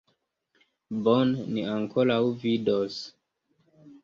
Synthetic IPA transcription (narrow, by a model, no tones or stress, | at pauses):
bonniaŋkoɾawvidos